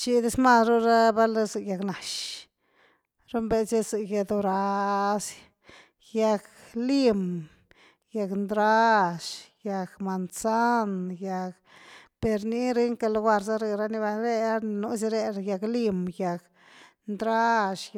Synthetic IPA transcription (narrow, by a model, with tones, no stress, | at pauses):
t͡ʃi˧d̪e˧˦sma˦˨sɾo˦ɾa˦ba˦lɾe˧zɨ˨kja˧kna˨ʃ | ɾo˦mbe˧se˦zɨ˨je˧d̪o˧ɾa˧s | ja˧kli˦m | ja˧knd̪ɾa˦ʃja˧kma˨nsa˦nja˧k | pe˧ɾni˦ɾe˦ŋka˧lɡʷa˧ɾza˦ɾe˧ɾa˦ni˧˦ba˧nɾe˦a˦˧nu˧˦s̬i˧ɾe˦˧ɾja˧kli˦mja˧k | nd̪ɾa˦ʃ